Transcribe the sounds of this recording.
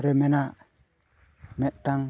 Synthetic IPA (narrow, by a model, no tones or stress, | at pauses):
ɾemena | metːaŋ